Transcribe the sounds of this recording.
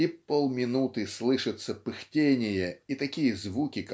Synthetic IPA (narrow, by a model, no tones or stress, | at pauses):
ipolˠmʲɪnut̪ɨslˠɨʂɨt̪səpɨxtʲenʲɪjəit̪ɐkʲijəzvukʲɪk